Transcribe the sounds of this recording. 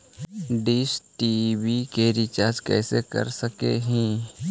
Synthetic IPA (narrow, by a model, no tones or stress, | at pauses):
ɖisʈibikeɾɪt͡ʃaːɾd͡ʒkɛ̰ːsekɐ̰ɾsəkḛɦĩː